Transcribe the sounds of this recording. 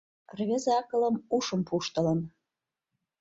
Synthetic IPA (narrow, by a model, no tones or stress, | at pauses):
rvʲezɑkɤ̆lə̆muʂə̆mpʰuʃt̪ɤ̆lə̆n